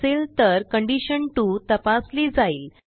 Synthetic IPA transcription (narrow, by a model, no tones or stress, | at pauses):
elt̪əɾkəɳɖiɕəɳʈuːt̪əpasliːd͡zaiːl